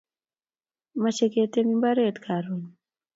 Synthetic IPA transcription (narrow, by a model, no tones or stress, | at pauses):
mat͡ʃeket̪emimbaɾet̪kʰaɾun